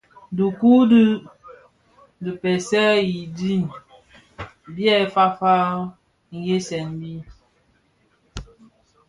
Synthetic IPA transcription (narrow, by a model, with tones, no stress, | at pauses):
du˨ku˦d | də˨pɛ˨sɛ˦ji˨di˦˨n | bjɛ˦˨˦fa˦fa˦ | ŋ̩˨je˦sɛ˨nbi˦